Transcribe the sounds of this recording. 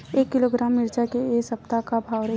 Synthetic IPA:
eːkːɪloɡɾaːmːɪɾd͡ʒakeeːsɐp̚t̪akabʱaːwɾɐ

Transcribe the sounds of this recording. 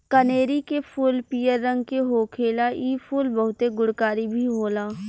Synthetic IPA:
kəneːɾikepʰuːlpiːjəɾːə̃ŋɡ̚keɦoːkʰeːlaʔiːfʰuːlbɐɦʊt̪eɡʊɽkaːɾibʱiɦoːlaː

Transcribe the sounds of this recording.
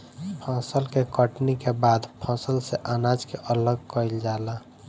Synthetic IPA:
pʰãsəlkekəʈnikebad̪pʰãsəlseʔanad͡ʒkeʔələɡ̚kəild͡ʒala

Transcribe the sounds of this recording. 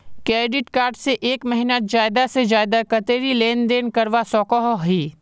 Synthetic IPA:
keːɖɪʈkaːɾɖseʔeːkmɐɦinad͡ʒaːɪd̪ased͡ʒaːɪd̪akɐt̪eːɾileːnd̪eːnkɐɾʋasɔːkɔɦoɦiː

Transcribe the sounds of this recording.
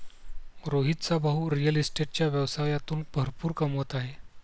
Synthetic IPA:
ɾoɦit̪t͡sabʱaɦuɾijəlisʈeʈ̚t͡ɕjaʋjəʋsajat̪uːnb̥ʱəɾpuːɾkəmʋət̪aɦe

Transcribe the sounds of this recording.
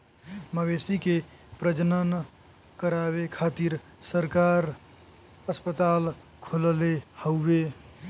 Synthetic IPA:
məɡesike | pɾəd͡ʒənən | kəɾaβekʰat̪iɾ | səɾkaɾ | əspət̪al | kʰollehəwbe

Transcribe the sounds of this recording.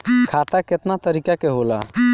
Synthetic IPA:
kʰat̪aket̪nat̪əɾikakeɦola̰

